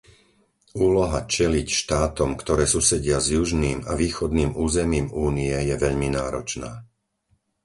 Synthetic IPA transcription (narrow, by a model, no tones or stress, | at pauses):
uːlɔɦat͡ʃɛlicʃt̪aːt̪ɔmkt̪ɔɾɛːsusɛɟɪazjuʒniːmaʋiːxɔd̪niːmuːzɛmiːmuːniɛjɛʋɛʎminaːɾɔt͡ʃnaː